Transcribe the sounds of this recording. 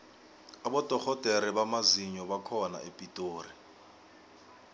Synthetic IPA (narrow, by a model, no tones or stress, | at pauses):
abɔtʼɔk͡xɔtʼeɾibamaziɲɔβakʰɔna̰epʼitʼoːri